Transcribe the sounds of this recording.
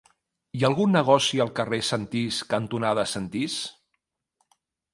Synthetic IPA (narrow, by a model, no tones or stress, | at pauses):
iəlˠɣunːəɣ̞ɔsiəlˠkəresənt̪iskənt̪unaðəsənt̪is